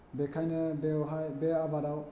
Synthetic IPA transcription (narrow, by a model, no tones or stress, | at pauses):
bɛkʰajnəɦabɛabaɾaw